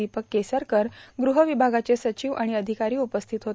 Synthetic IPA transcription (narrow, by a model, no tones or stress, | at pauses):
ipəkːesəɾkəɾɡɾuɦəʋibʱaɡat͡sesət͡ɕiːʋaɽ̃iəd̪ʱikaɾiːupəst̪ʰit̪ɦot̪